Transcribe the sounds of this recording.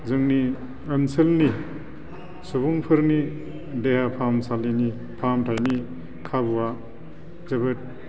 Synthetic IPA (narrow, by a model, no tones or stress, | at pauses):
zɯŋni | ənsɯlni | subuŋpʰɯɾni | deɦapʰamsalini | pʰamtʰajni | kʰabuwa | zɐβɯt̚